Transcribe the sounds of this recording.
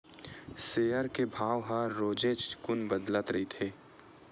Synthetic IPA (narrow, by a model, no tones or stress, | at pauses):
seːjəɾkebʱaːʋɦaɾoːd͡ʒeːd͡ʒkʊnbəd̪lət̪ɾɐɦit̪ʰeː